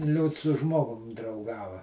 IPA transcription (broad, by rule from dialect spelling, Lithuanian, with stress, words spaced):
ˈlʲuːts sʊ ˈʒmoːɡʊm drɐʊˈɡɑːʋɐ